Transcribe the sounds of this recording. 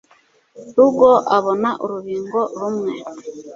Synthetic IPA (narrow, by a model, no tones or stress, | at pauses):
ɾuɡoʔaβonaʔoɾuβiːŋɡoɾumŋe